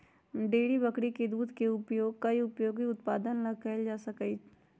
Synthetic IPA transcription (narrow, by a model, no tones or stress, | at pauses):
ɖeːɽibɐkɽiked̪uːd̪ʱkeʊpjoːɡ̚kaiʊpjoːɡɦiʊt̪paːd̪ənlɐɡ̚kɛld͡ʒaːsɐki